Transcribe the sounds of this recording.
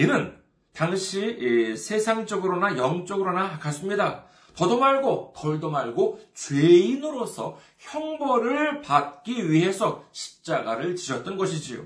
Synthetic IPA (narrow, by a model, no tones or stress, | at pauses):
inɯn | taŋɕʰisʰe̞sʰaŋt͡ɕ͈ʌɡɯɾonajʌŋt͡ɕ͈ʌɡɯɾonakas͈ɯmɲida | pʌdomaɭɡokʌɭdomaɭɡot͡ɕweinɯɾosʰʌ | çjʌŋbʌɾɯɭpat̚k͈iɥiɦe̞sʰʌɕʰi̥p̚t͡ɕ͈aɡaɾɯɭt͡ɕiɕʰʌt̚t͈ʌnɡʌɕʰid͡ʑio̰